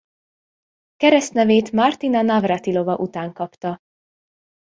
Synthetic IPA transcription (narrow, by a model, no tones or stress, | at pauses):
kɛɾɛst̪nɛveːt̪mɒrt̪inɒnɒvrat̪ilo̞vɒʔut̪aːŋkɒpt̪ɒ